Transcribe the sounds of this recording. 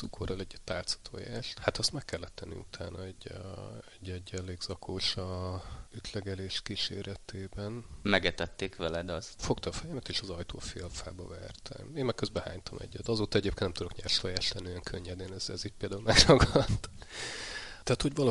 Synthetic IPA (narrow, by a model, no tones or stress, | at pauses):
ukʰo̞rɒlɛɟt̪ːaːlt̪sɒ̥t̪ʰo̰ːjaːʃt̪hat̪ɛst̪mɛkːɛlːɛt̪ːɛnːḭṵt̪ʰa̰ːnʔɒɛɟːɛɟːɛɟːɛleːɡz̥ɒkʰoːʃɒyt̪lɛɡɛleːʃkiʃḛːɾɛt̪ʰeːbɛnmɛɡɛt̪ɛt̪ːeːkʋɛlɛd̪ɒsfo̞kt̪ɒfɛjɛmɛt̪eːʃɒzɒjt̪ʰo̰ːfeːlfa̰ːbɒ̰vɛ̰rt̪ʰɛ̰meːmɛk̚øzbɛha̰ːɲt̪ʰɒmʔɛ̰ɟːɛt̪ɒzoːt̪ɒɛɟeːpkenɛmt̪ud̪okɲaːrʃojaːʃlɛnːiøjɛŋkʰøɲːɛd̪eːnɛzɛ̰ziːc̚peld̪aulmɛɡrɒɡɒt̪ː | t̪ɛːt̪ho̞ɟvɒl